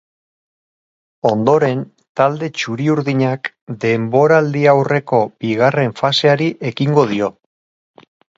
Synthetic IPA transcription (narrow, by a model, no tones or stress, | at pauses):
o̞nd̪o̞ɾe̞n | t̪ald̪e̞t͡ʃuɾiuɾðiɲak | d̪e̞mbo̞ɾald̪iawre̞ko̞b̥iɣ̞are̞ɱfase̞aɾiʔe̞kiŋɡo̞ð̞io̞